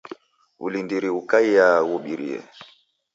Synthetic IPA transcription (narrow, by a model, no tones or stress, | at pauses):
ṵlindiɾiukaijawuɓiɾḭɛ̰